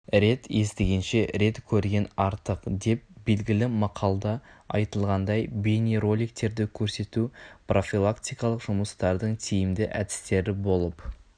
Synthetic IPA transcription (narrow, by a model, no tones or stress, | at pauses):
ɾe̞t̪je̞st̪ɪɡʲe̞nʃe̞ɾe̞t̪kʲʰɵɾɡʲe̞nɑɾt̪əqd̪e̞p̚b̥e̞lɡʲɪlɪmɑqʰɑlˠd̪ɑɑ̰jt̪əlˠʁɑnd̪ɑjbʲeneɾo̞lʲik̚t̪e̞ɾd̪ɪkʲʰɵɾse̞t̪uprʔo̞fʲilˠakt̪ʲijkɑlˠəqʒ̥ʊməst̪ɑɾd̪əɴt̪ʰijɪmd̪ɪʔæ̰d̪ɪ̥st̪e̞ɾɪbo̞lˠəp